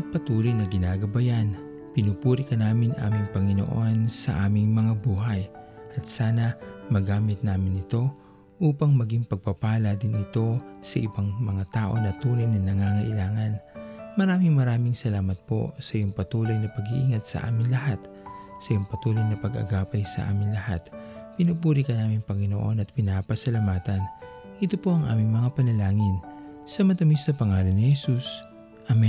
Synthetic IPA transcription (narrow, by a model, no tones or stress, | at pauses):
ʔɐt̪̚pɐt̪uːlojnɐɡɪnaːɡɐbɐjan | pɪnupuːɾikɐnaːmɪnʔa̰ːmɪŋpɐŋɪno̰ʔonsɐ̰ʔaːmɪŋmɐŋabuːɦɐjʔɐt̪̚saːnɐmɐɡaːmɪt̪̚naːmɪnɪt̪o̞ | ʔuːpɐŋmɐɡiŋpɐɡ̚pɐpaːlɐd̪ɪnɪt̪o̞sɐʔɪbaŋmɐŋat̪aːʔo̞nɐt̪uːlojnɐnɐŋaŋɐʔɪlaːŋɐnmɐɾaːmɪŋmɐɾaːmɪŋsɐlaːmɐt̪̚po̞̰sɐʔijoŋpɐt̪uːlɐjnɐpɐɡiʔiŋɐt̪̚sɐ̰ʔa̰ːmɪnlɐhat̪ | sɐʔjoŋpɐt̪uːlɐjnɐpɐɡɐ̰ɡaːpɐjsɐ̰ʔa̰ːmɪŋlɐha̰t̪pɪnupuːɾikɐnaːmɪŋpɐŋɪno̰ʔo̞̰nɐt̪̚pɪnaːpɐsɐlɐmaːt̪ɐn | ʔɪt̪opo̞ʔɐŋʔa̰ːmɪŋmɐŋapɐnɐlaːŋɪnsɐmɐt̪ɐmisnɐpɐŋaːlo̞nɪhɛsus | ʔamɛ